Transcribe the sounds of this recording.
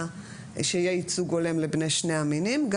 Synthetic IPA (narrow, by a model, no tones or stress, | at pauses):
ʃeajeit͡suɡole̞mlebneʃneaminimɡ